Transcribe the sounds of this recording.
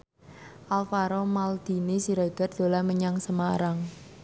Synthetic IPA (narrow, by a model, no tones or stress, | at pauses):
ʔalfaɾomald̪̥i̤nisiɾaid̪̥ard̪̥o̤laməɲaŋsəmaɾaŋ